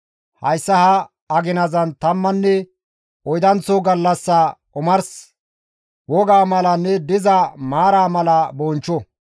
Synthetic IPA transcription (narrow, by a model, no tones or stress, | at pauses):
hɐjsːɐhɐ | ɐɡɪnɐzɐnt̪ɐmːɐnːɛ | ɔjd̪ɐnt͡sːoɡɐlːɐsːɐkʼʊmɐɾs | wɔɡaːmɐlɐnːɛd̪ɪzɐmaːɾaːmɐlɐbɔnt͡ʃːɔ